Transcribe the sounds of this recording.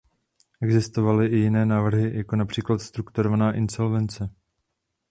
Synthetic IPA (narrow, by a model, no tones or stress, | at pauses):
ʔɛɡzɪst̪o̞valɪʔɪjɪnɛːnaːvr̩ɦɪjako̞napr̝̥iːklat̪st̪ɾukt̪uɾovanaːʔɪnsolvɛnt͡sɛ